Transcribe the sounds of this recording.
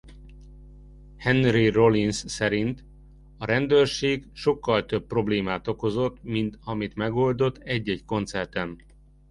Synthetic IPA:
hɛnrirolinsːɛɾint̪ | ɒɾɛnd̪øːrʃeːɡʃo̞kːɒlt̪ø̞p̚pro̞bleːmaːt̪o̞ko̞zo̞t̪mint̪ɒmit̪mɛɡo̞ld̪o̞t̪ːɛɟːɛɟko̞nt̪sɛrt̪ɛn

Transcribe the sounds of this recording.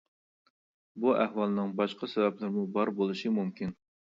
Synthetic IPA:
buʔæhwɑlˠnɨŋbɑʃqɑsɛvɛplɪɾmubɑɾbolˠɨʃɨmumkʲin

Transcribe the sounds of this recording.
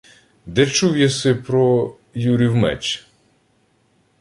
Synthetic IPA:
d̪ɛt͡ʃuwjɐsɪpɾɔ | juɾʲiwmɛ̰t͡ʃ

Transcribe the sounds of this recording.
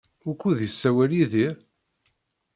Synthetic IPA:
ʊkʷːuðisːæwæliðiɾ

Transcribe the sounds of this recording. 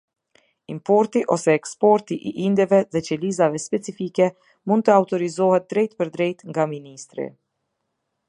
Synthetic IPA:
impɔɾt̪iʔɔsɛːkspɔɾt̪iʔiʔind̪ɛvɛðɛt͡ʃɛlizavɛspɛt͡sifikɛ | mund̪̚t̪əawt̪ɔɾizɔhɛt̪̚d̪ɾɛjt̪̚pəɾd̪ɾɛjt̪ŋɡaminist̪ɾḭ

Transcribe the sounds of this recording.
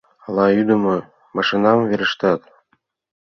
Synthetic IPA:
ɑlˠɑyd̪ɤ̆mɤ̆ | mɑʃinɑmveɾɘ̆ʃt̪ɑt̪

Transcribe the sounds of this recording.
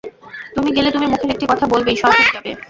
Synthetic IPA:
t̪umiɡelet̪umimukʰeɾek̚ʈikɔt̪ʰabolbeijʃɔbakeʃb̪ebe

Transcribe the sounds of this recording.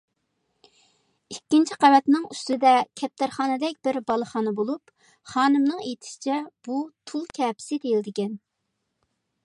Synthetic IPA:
ikʲːint͡ʃʰiqævɛt̪nɨŋyst̪ɨd̪ɛkʲʰɛp̚t̪ʰæɾχɑːnɨd̪ɛk̚ʲb̥ɪɾbɑlˠəχɑːnɨbolˠup | χɑːnɨmnɨŋet̪ʰɪ̥ʃi̥t͡ʃʰɛb̥ut̪ʰulˠkʲʰɛːpʰɪ̥sɪd̪ejild̪ɪkʲɛn

